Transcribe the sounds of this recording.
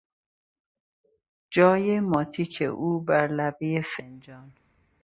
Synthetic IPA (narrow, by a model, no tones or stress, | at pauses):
d͡ʒɒːjemɒːt̪ʰiːcʰḛʔuːbæɾlæbijefend͡ʒɒːn